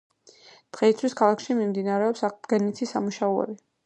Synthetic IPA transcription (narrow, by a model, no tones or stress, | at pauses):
d̪̥ʁɛit̪sʰwiskʰalˠakʰʃimimd̪inaɾɛɔpsaq̚d̪ɡɛnit̪ʰisamuʃauɛ̰bi